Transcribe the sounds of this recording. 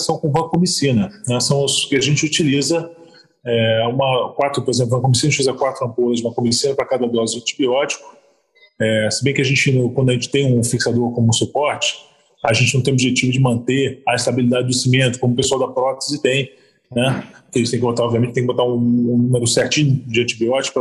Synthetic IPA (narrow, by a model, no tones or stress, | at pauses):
sɐ̃w̃kõũɐ̃kõmisĩnɐnɛsɐ̃w̃ʊskɪaʒẽt͡ʃɪut͡ʃilizɐ | ɛũmɐkwat̪ɾʊpoɾezẽp̬lˠʊṽɐkomisinɐʊt͡ʃilizɐkwat̪ɾʊɐ̃mpoɾɐzd͡ʒũmɐkomisĩnɐpɾɐkad̪ɐd̪ɔzɪɐ̃nt͡ʃi̥biɔd͡ʒi̥kʊ̥ | ɛsɪbẽj̃kɪaʒẽnt͡ʃɪñkwɐ̃d̪ʊɐʒẽnt͡ʃɪ̥t̪ẽj̃ũfiksad̪oɾkõmʊũsupɔɾt͡ʃɪ̥ | ɐʒẽnt͡ʃɪnɐ̃t̪ej̃obiʒet͡ʃivʊd͡ʒɪmɐ̃nt̪eɐist̪abilid̪ad͡ʒɪd̪ʊsimẽnt̪ʊ̥kõmʊpesuawd̪ɐpɾɔt̪ezɪt̪ẽj̃ | nɛket̪ẽj̃kɪbot̪aɾɔbviɐmẽtt͡ʃt̪ẽkbot̪aũnũmeɾʊsɛɾt͡ʃĩɲʊd͡ʒɪɐ̃nt͡ʃibiɔt͡ʃi̥kʊp